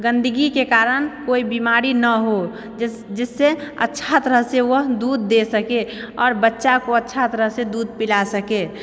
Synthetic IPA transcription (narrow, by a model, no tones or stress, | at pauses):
ɡə̃nd̪əɡikekaːɾənkoːibimaːɾinəɦo | d͡ʒɪsːeə̰tːʃʰat̪əɾəɦseʋəɦd̪uːd̪ːesəke | ɔːɾbətːʃakoətːʃʰat̪əɾəɦsed̪uːd̪̚pilasəke